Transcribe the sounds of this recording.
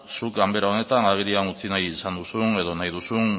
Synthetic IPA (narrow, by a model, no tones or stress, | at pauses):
sukɡambe̞ɾao̞ne̞t̪anaɣ̞eɾianut͡sinajisand̪usune̞ð̞o̞najðusun